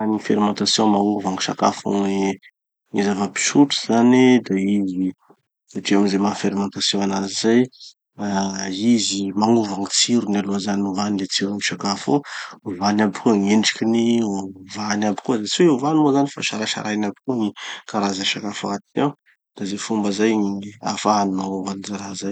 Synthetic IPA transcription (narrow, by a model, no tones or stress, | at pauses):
anifeɾimɑ̃nt̪asjɔ̃mauvaŋiʃaka̰fo̰ŋi | ŋizavapi̥ʃuʈ͡ʂu̥zanid̪aizi | aʈ͡ʂiamizemafeɾimãnt̪asjɔ̃anazizaj | aizimaŋuvaŋit͡siɾunialoazaniuvanilet͡siɾaniʃakafo̰vanabikuəŋeɳʈ͡ʂi̥kʲinivanabi̥kuzat͡siweeuvanimozanifa̰ʃaɾaʃa̰ɾʔajnabikuŋikaɾazaʃakafaat̪inew | d̪̥azefumbəzajŋia̰faaninaavanizaɾaɦzaj